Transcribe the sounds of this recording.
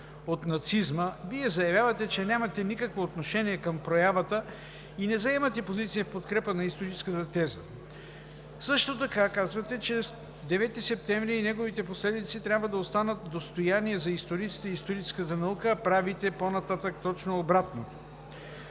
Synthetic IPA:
ot̪nɐt̪sizməviɛzɐjɐvjavɐt̪ɛt͡ʃɛnʲamɐt̪ɛnikəkvoːt̪noʃɛniɛkɐmpɾojavət̪ə | inɛzɐɛmɐt̪ɛpozit̪sijəfpot̪kɾɛpənɐist̪oɾit͡ʃɛ̥skət̪ət̪ɛzə̰ | sɤʃt̪ot̪ɐkakazvɐt̪ɛt͡ʃɛ | d̪ɛvɛt̪isɛp̚t̪ɛmvɾiːnɛɡovit̪ɛposlɛd̪it̪sit̪ɾʲjabvəd̪ɐost̪anət̪̚d̪ost̪ojaniɛzɐist̪oɾit̪si̥t̪ɛist̪oɾit͡ʃɛ̥skət̪ənɐukəːpɾavit̪ɛponɐt̪at̪ək̚t̪ɔt͡ʃnoːbɾat̪no

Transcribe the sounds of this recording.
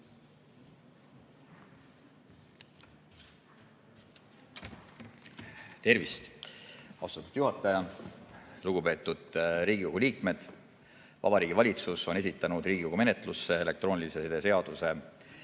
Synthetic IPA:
t̪e̞rvist̪ | ɑ̰wst̪ut̪ːud̥̪juɦɑt̪ːˑɑjɑ | luɡ̥upe̞ːt̪ːˑud̪̥ɾiːɡ̥iko̞ɡ̥uliːkme̞d̪̥ | vɑ̰b̥ɑɾiːɡ̥ivɑlʲit̪suso̞ne̞s̬it̪ːˑɑnud̪riːɡ̥ikoɡume̞net̪ˑlusːe̞ele̞k̚t̪ro̞ːnilisesed̪ese̞ɑd̪̥use̞

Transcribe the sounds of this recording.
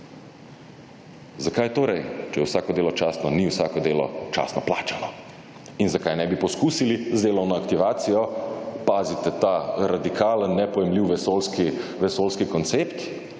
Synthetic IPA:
zakajt̪oːɾɛjt͡ʃɛjɛwsaːkɔd̪eːlɔt͡ʃaːsnɔniwsaːkɔd̪eːlɔ̰t͡ʃa̰ːsnɔplaːt͡ʃalɔ | inzakajnɛbipɔskuːsilizd̪eːlɔwnɔakt̪iʋaːt̪sijɔpaːzit̪ɛt̪aɾad̪ikaːlənːɛpɔjɛmliwʋɛsolskiʋɛsoːlskikɔnt̪sept̪

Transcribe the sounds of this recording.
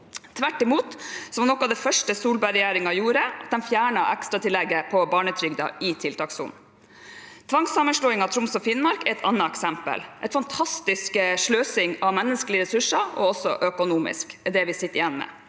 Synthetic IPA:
t̪ʰʋæʈːɪmuːt̪sɔmnɔkːɑːʋd̪ɛfœʂʈəsuːlbæɾɛjæːɾɪŋɑjuːɾəɑt̪̚d̪ɛnfjæːɳɑʔɛkst̪ɾɑt̪ʰɪlːɛɡəpʰɔbɑːɳət̪ʰɾʏɡd̪ɑ̰ʔɪt̪ʰɪlt̪ʰɑːksʊ̰n | t̪ʰʋɑŋsɑmənʂɭoːɪŋɑt̪ʰɾʊmsɔfɪnmɑɾkɛɾɛt̪ɑ̰nːɑɛksɛmpə̰lʔɛt̪fɑnt̪ʰɑst̪ɪskəʂɭøːsɪŋɑʋmɛnːəskəlɪɾɛsʉʂɑɔɔsːɔʔøkʊnuːmɪ̰skɛd̪ɛʋɪsɪt̪ːəɾɪjɛnmɛ̰

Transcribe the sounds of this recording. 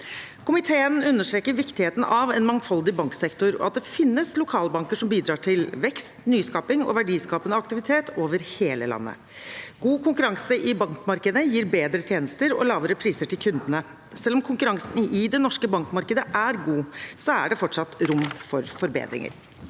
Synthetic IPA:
kʰʊmɪt̪ʰeːənʉnːəʂʈɾeːkəɾʋɪkt̪ɪheːt̪n̩ʔɑʋɛnmɑŋfɑld̪ɪbɑŋksɛkt̪ʊɾɔ̰ɑt̪̚d̪ɛfɪnːəslʊkʰɑːlbɑŋkəʂɔmbiːd̪ɾɑːʈʰɪlʋɛkst̪nyːskɑːpɪŋɔ̰ʋæɖiːskɑːpənəɑkt̪ɪʋɪt̪ʰeːt̪ʰoːʋəɾheːlə̰lɑ̰nːə̰ | ɡ̥uːkʰʊŋkʉɾɑŋsəʔɪbɑŋkmɑɾkəd̪əjiːɾbeːd̪ɾət̪ʰjeːnəst̪əɾɔ̰lɑːʋəɾəpʰɾiːsəʈɪlkʰʉnd̪ənə | sɛlːɔmkʰʊŋkʉɾɑŋsənɪd̪ɛnɔʂkəbɑŋkmɑɾkəd̪əʔæɾɡuːsɔæ̰ɖɛfɔʈʂɑt̪ːɾʊmfɔɾfɔɾbḛːd̪ɾɪ̰ŋə̰ɾ

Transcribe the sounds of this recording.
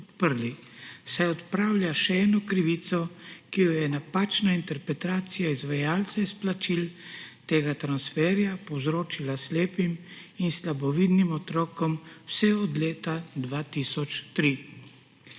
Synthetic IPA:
t̪pəɾlisɛjɔt̪pɾaːwlʲjaʃɛɛːnɔkɾiʋiːt̪sɔkijɔjɛnapaːt͡ʃnaint̪ɛɾpɾɛt̪aːt̪sijaizʋajaːlt̪sɛisplat͡ʃilt̪eːɡat̪ɾansfɛːɾjapɔwzɾoːt͡ʃilasleːpiminslabɔʋiːd̪nimɔt̪ɾɔːkɔmwsɛɔd̪leːt̪ad̪ʋat̪iːsɔt͡ʃt̪ɾi

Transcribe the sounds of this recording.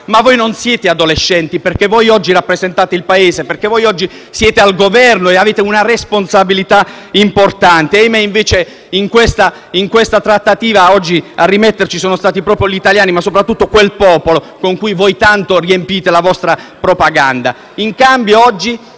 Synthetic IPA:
mavːojnonsjɛːt̪ead̪oleʃːɛnt̪iperk̟evojɔd͡ʒːirapːɾezent̪aːt̪eilpaeːzeperk̟evojɔd͡ʒːi | sjɛːt̪ealɡovɛrnoeaveːt̪eunaresponsabilit̪a | import̪ant̪ejmeiɱveːt͡ʃe | iŋkwest̪a | iŋkwest̪at̪ɾat̪ːat̪iːvaɔd͡ʒːiarːimɛt̪ːert͡ʃisoːnost̪aːt̪ipɾɔːpɾjoʎit̪aljaːnimasːopɾat̪ːut̪ːokwelpɔːpolo | koŋkujvojt̪ant̪oriempiːt̪elavɔst̪ɾapɾopaɡand̪a̰ | iŋkambjoɔd͡ʒːi

